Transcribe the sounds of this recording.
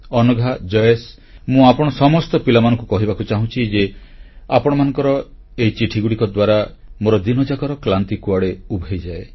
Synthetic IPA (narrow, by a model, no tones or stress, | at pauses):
ɔnɔɡʱad͡ʒɔjes | mũapɔɽ̃ɔsɔmɔst̪ɔpilamanɔ̃ŋkukɔɦibakut͡ʃaɦũt͡ʃʰid͡ʒeapɔɽ̃ɔmanɔŋkɔɾɔ | eit͡ʃiʈʰiɡuɽikɔd̪waɾamoɾɔd̪inɔd͡ʒakɔɾɔklant̪ikuaɽeubʱejd͡ʒae